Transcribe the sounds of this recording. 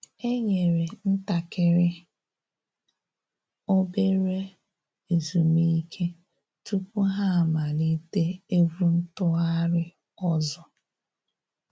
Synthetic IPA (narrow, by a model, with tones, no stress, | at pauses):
e˦ɲe˨ɾe˨n̩˦ta˨kɪ˨ɾɪ˦ | o˦be˦ɾe˦ | e˨zu˨mi˦i˦kʰe˦ | tu˦pu˦ɦa˦a˨ma˨ni˦te˦e˦vu˦n̩˦tʊ˦a˦ɾɪ˦ | ɔ˦zɔ˨